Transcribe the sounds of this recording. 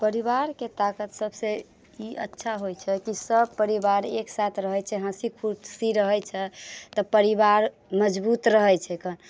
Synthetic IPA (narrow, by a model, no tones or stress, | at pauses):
pəɾiβaɾket̪akət̪səbse | iə̰tːʃʰaɦojt͡ʃʰɛkisəb̚pəɾibaɾeksat̪ʰɾəɦɛt͡ʃʰɛɦə̃sikʰuʈsiɾəɦɛjt͡ʃʰɛt̪ɔpəɾiβaɾ | məd͡ʒbut̪ɾəɦɛjt͡ʃʰɛkʰən